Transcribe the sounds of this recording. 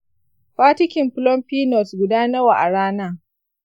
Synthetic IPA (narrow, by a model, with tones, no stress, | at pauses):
ɸaː˦tɪ˦kʲɪ˨mpʊ˦lɔ˦mɸiː˦nɔ˨sɡʷʊ˨daː˦nɐ˦waː˨ʔa˨ɽaː˦naː˦